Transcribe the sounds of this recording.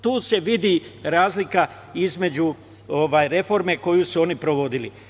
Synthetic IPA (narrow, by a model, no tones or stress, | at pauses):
t̪uːse̞ʋid̪iɾaːzlika | izme̞d͡ʑu | oʋaːjɾe̞fo̞ɾme̞ko̞jusuo̞nipɾo̞ʋo̞d̪ilḭ